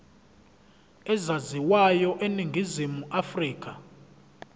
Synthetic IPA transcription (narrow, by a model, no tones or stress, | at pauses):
ɛzaziwajɔʔeniŋɡʱizimuʔafriːk̬ʰʼa